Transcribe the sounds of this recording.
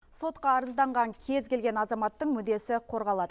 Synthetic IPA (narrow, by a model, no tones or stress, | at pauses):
so̞t̪qɑːɾəzd̪ɑɴʁɑŋkʲʰe̞zkʲʰe̞lɡʲe̞nɑzɑmɑt̪ːəɴmʏd̪e̞sɪqʰo̞ɾʁɑlˠɑd̪ə